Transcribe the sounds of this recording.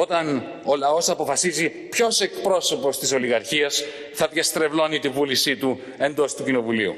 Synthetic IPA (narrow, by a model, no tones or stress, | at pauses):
o̞t̪ɐn | o̞lɐo̞sɐpo̞fɐsizi | pço̞se̞kpɾo̞so̞po̞st̪iso̞liɣɐɾçiɐs | θɐðʝɐst̪ɾe̞vlo̞nit̪ivulisit̪u | e̞nd̪o̞st̪ucino̞vuliṵ